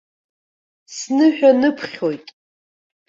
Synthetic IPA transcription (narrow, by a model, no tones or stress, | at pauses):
snɨħᶣanɨpʰχʲojtʼ